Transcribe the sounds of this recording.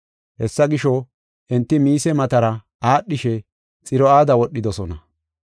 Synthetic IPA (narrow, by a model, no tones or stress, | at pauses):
hɛsːɐɡɪʃɔ | ʔɛnt̪ːɪmiːsɛmɐt̪ɐɾɐ | aːɗːɪʃɛ | t͡sʼɪɾɔaːd̪ɐwɔɗːɪd̪ɔsɔnɐ